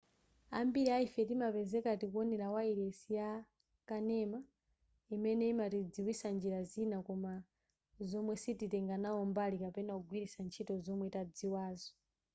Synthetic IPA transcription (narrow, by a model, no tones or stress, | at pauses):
ambiɾiaifɛtimapɛzɛkatikuɔnɛɾawaiɾɛsija | kanɛma | imɛnɛimatid͡ziwisand͡ʒiɾazinakɔma | zɔmwɛsititɛŋɡanaɔmbalikapɛnauɡwiɾisant͡ʃʰitɔzɔmwɛtad͡ziwaːzɔ